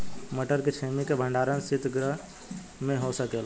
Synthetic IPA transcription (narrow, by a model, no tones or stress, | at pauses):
məʈəɾket͡ʃʰemikebʱə̃ɳɖaɾənsit̪ɡɾəɦ | mẽɦosəkel